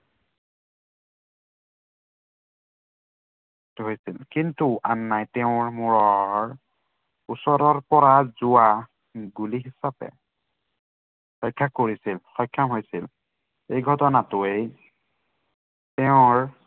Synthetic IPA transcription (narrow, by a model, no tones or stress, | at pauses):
ɦojsilkintuʔanːajtɛʊ̃ɹmʊɹɔɹ | usɔɹɔɹpɔɹazʊwa | ɡuliɦisapɛ̰ | xɔjkʰːakoɹisilxɔjkʰːamɦojsil | ejɡʱɔtɔnatʊej | tɛʊ̃ɹ